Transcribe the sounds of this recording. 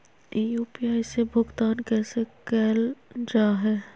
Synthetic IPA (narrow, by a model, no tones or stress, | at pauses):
ijuːpiaːisebʱʊɡt̪aːnkɛːsekɛːld͡ʒaːɦɛː